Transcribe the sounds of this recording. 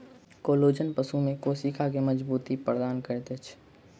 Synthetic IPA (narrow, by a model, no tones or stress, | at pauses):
koːloːd͡ʒənpəsumẽkoːsikʰakeməd͡ʒbuːt̪ipɾəd̪aːnkəɾt̪et͡ʃʰ